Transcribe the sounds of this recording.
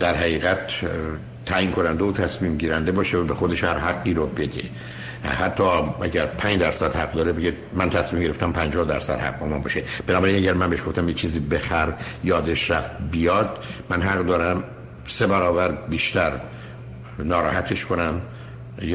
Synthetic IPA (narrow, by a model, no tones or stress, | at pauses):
d̪̥æɾhæʁiːɣæt̪ | t̪ʰæːjiːnkʰo̞nænd̪euːt̪ʰæsmiːmɟiːɾænd̪e̞bɒːʃevæbexo̞d̪e̞ʃhæɾɦæɡːiːɾobe̞d̪e | hæt̪ʰːɒːʔæɟæɾpʰænd͡ʒd̪æɾsæd̪̥hæqd̪ɒːɾebeɡe | mænt̪ʰæsmiːmɟeeft̪æmpʰænd͡ʒɒːhd̪æɾsæ̰d̪̥hæ̰q̚bɒːmæmbɒːʃeb̥enɒːbæɾinæɟæɾmænbeʃɡo̞ft̪æmjet͡ʃʰiːziːbe̞xæɾjɒːd̪eʃɾæft̪̚bijɒːd̪̥̚mænɦæɣd̪ɒːɾæm | se̞bæɾɒːvæɾbiːʃt̪æɾ | nɒːɾɒːhæt̪ʰe̞ʃkʰonæm | j